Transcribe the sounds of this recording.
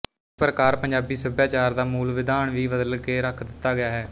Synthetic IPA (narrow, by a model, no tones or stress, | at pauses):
pɾəkaːɾpəɲd͡ʒaːbiːsʊbjaːt͡ʃaːɾd̪aːmuːlʋɪd̪aːɳʋiːbəd̪əlkeːɾəkʰd̪ɪt̪ːaːɡɪjaːɦɛː